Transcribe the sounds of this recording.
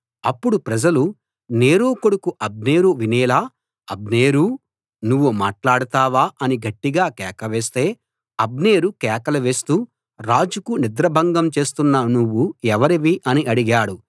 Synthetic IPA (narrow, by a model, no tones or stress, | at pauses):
ɐpːuɽupɾɐd͡ʒɐlu | ne̞ːɾuːkoɽukuʔɐb̚ne̞ːɾuʋinɛːlaː | ɐbneːɾu | nuʋːumaːʈlaːɽut̪aːʋaːʔɐniɡɐʈːiɡaːkɛːkɐʋeːst̪e̞ː | ɐbneːɾukɛːkɐlɐʋe̞ːst̪uː | ɾaːd͡ʒukunid̪ɾɐbʱɐŋɡɐmt͡ʃe̞ːst̪unːɐnuʋːuɛʋɐɾiʋiʔɐniʔɐɽiɡaːɽu